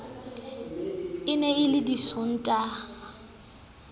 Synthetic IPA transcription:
ɪnɛɪlɪdisɔn̩tʼa

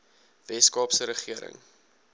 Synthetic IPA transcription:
vɛskɑːpsəɾəχiəɾə̰ŋ

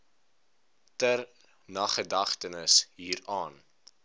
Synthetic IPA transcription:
tər | nɐχədɐχtənəsɦiːɾɑːn

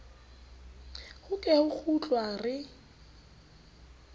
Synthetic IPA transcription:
hʊkʼɛhʊk͡xʰut͡ɬʼwarɪ

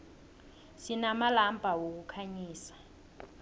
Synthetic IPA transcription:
sinamalambʱawok̬ukʰaɲiːsḁ

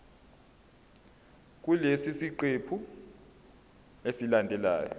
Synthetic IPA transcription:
k̬ulesisiǃepʰu | esilandʱɛla̰ːjɔ̰

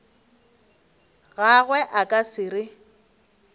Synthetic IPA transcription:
ɣaɣwɛʔakʼasɪrɪ

